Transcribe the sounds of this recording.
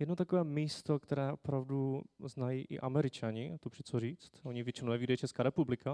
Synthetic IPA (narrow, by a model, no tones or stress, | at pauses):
jɛdnot̪akovɛːmiːst̪okt̪ɛɾɛːʔopɾavduznajiːʔɪ̰ʔamɛɾɪt͡ʃaɲɪt̪opr̥ɛt͡soriːt͡st̪oɲɪvʲjɛt͡ʃɪnonɛviːdajɛt͡ʃɛskaːɾɛpublɪka